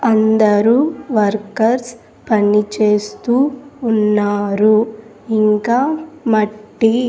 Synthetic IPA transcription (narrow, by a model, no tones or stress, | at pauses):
ɐnd̪ɐɾuːʋɐɾkɐɾs | pɐnit͡ʃe̞ːst̪uːnːaːɾu | iŋkaːmɐʈːi